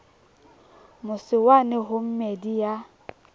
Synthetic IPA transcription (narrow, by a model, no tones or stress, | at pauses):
mʊsɪwanɪɦʊm̩medija